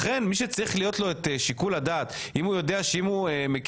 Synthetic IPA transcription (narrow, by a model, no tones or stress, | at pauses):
χe̞nmiʃet͡saʁiχlijo̞t̪lo̞et̪eʃikuladaːtimhujo̞deaʃeimuemek